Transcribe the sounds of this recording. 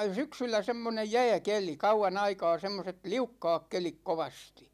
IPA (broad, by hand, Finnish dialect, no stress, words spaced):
syksylːæ semːonej jæ̝ːkeli kɑuɑn ɑikɑː semːoset liukːɑːk kelik koʋɑsti̥